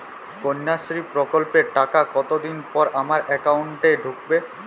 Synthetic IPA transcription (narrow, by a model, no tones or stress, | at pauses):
koɲːaʃɾipɾokolpeʈakakɔt̪od̪inpɔɾʔamaɾʔɛkawɳʈeɖʱuk̚be